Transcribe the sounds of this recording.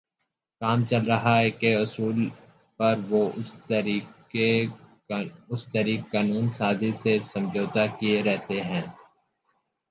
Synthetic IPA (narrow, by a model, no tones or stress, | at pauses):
kaːmt͡ʃɐlɾɐɦaɦɛkeʊsuːl | pɐɾʋoiː | e | ʊst̪ɐɾiːkːaːnuːnsaːzisesɐ̃md͡ʒoːt̪akieɾɛɦt̪eɦɛ̃ː